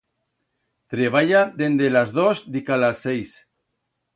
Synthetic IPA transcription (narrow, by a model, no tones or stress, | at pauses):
t̪ɾeβ̞aʎad̪end̪elazðozd̪ikalasːejs